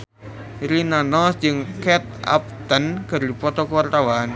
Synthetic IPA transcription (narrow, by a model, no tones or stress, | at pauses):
ɾinanɔsd͡ʒɨŋkɛt̪̚a̰p̚t̪ənkərdipɔt̪ɔkəwart̪awan